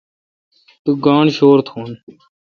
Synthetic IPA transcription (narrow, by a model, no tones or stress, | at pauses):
t̪uːɡãːɳʃoːɾt̪ʰoːn